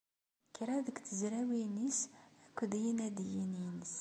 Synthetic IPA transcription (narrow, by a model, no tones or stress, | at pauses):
kɾæðəkθəzɾæwinisækʷːd̪jinæd̪jininəs